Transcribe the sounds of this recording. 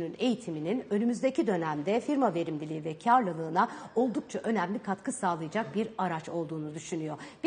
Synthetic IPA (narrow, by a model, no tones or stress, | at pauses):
nyne̞jit̪ʰimininø̞nymyzd̪ecʰid̪ø̞næmd̪ɛfiɾmave̞ɾimlʲilʲivɛcʰaɾlˠalˠɯːnao̞lˠd̪uk̚t͡ʃʰaʔø̞næmlʲikʰat̪kʰɯsaːlˠajad͡ʒak̚biɾaɾat͡ʃo̞lˠd̪uːnud̪yʃynyjo̞b̥